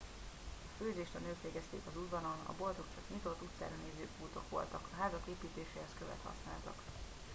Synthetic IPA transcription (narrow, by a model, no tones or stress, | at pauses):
ɒføːzeːʃt̪ɒnøːkʋeːɡɛst̪ḛːkɒzud̪vɒnonɒ̰bo̞lt̪o̞kt͡ʃɒkɲit̪o̞t̪ːut̪sa̰ːɾɒneːzøːkuːt̪o̞kʋo̞̰lt̪ɒkʰɒɦaːzɒkeːpiːt̪eːʃeːhɛskøvɛ̰t̪hɒ̰sna̰ːlt̪ɒ̰k